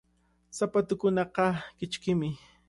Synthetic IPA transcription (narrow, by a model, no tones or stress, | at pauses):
sapat̪ʊkʊnɑqɑkɪt͡ʃkɪmɪ